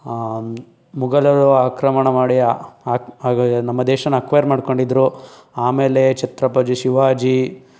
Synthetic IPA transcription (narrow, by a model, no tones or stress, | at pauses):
muɡɐlɐɾuaːkɾɐmɐɳɐmaːɽijaː | nɐmːɐd̪eːʃɐnːɐɐkʋɐjɐɾmaːɽko̞ɳɖid̪ɾu | aːmeːlet͡ʃɐt̪ɾɐpɐd͡ʒuʃiʋaːd͡ʒi